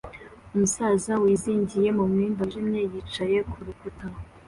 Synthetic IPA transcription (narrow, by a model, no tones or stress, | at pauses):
umusazawiziːɲɟije̞mumŋiːmbaʒimɲeːjit͡ʃaje̞kʰuɾukuta